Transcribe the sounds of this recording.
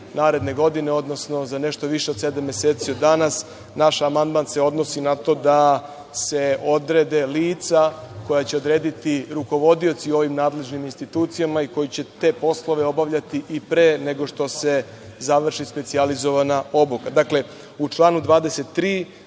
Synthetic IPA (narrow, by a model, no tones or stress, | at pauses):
naːɾe̞d̪ne̞ɡo̞d̪ine̞o̞d̪no̞sno̞zane̞ʃt̪oʋiʃeo̞d̪sed̪amje̞seːt̪sio̞d̪ːanas | naʃamand̪manseo̞d̪no̞sinat̪o̞d̪a | se̞o̞d̪ɾed̪e̞liːt̪sako̞jat͡ɕe̞o̞d̪ɾe̞ːd̪it̪iɾuko̞ʋo̞d̪io̞t̪sio̞ʋimnaːd̪le̞ʒniminst̪it̪uːt̪sijamaiko̞jit͡ɕe̞t̪e̞ːpo̞slˠo̞ʋe̞o̞baʋʎat̪iʔipɾeːne̞ɡo̞ʂt̪o̞se̞ | zaʋr̩ʃispe̞t̪sializo̞ʋanao̞bokad̪akle̞ | ut͡ʂlˠaːnud̪ʋaːd̪ese̞t̪ːɾiː